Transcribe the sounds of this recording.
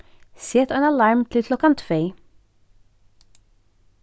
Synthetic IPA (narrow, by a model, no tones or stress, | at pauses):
set̪ɑnɑlɑɹmt̪ʰɪt̪ʰlɔkɑnt̪fœʏ